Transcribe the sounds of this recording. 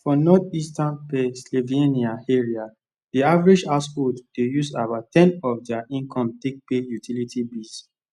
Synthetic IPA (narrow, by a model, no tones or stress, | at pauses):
fɔnɔdistãnpɛ̃nsloveniaeɹia | diavɹid͡ʒaspotd̥ejusabatʰɛ̃nɔfdɛaʔĩŋkʰɔ̃mtek̚pejutʰilitibis